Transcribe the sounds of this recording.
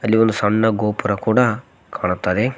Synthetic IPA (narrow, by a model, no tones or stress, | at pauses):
ɐlːiond̪usɐɳːɐɡoːpɐɾɐkuːɽɐ | kaːɳut̪ːaːd̪e